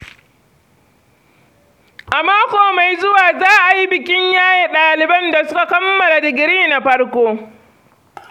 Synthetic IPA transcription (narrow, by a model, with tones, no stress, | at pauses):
ʔa˨maː˦kʷoː˨ma˨jzʊ˦waː˨zaː˦ʔa˨ji˦bɪ˨kʲɪ˦ɲjaː˦je˨ɗaː˨lɪ˨bɐ˦nda˨sʊ˦ka˨kɐ˦mːɐ˨la˨dɪ˨ɡʲɪ˨ɾiː˦˨na˨ɸɐ˦rkʷoː˦